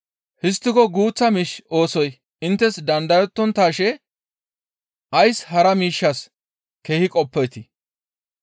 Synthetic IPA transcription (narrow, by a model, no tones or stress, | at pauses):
hɪs̬t̪ːɪkɔɡuːt͡sːɐmiːʃo̞ːsɔj | ɪnt̪ːɛsd̪ɐnd̪ɐjɔt̪ːɔnt̪aːʃɛ | ʔɐjshɐɾɐmiːʃːɐs | keːhɪkʼɔpːɛjt̪ɪ